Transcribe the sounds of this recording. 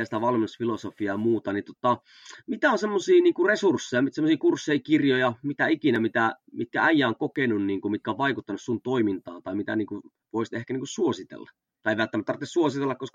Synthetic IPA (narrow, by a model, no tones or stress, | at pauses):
æsit̪æʋɑlminusfilosofiɑmuːt̪ɑnit̪ŏt̪ɑ | mit̪æonsemːosiːniːŋkuresursːejɑsemːosiːkursːeikirjojɑmit̪æikinæmit̪æmit̪̚kæ̰æjːæoŋkokenunniːŋkumit̪̚kæoʋʋɑikut̪ːɑnussunt̪oimint̪ɑ̰ːt̪ɑimit̪æ̰niːŋku | ʋoist̪ehkæniːŋkussuosit̪ḛlːɑ | t̪ɑeiʋælt̪ːæmæt̪ɑrt̪ːessuosit̪elːɑkkoskɑ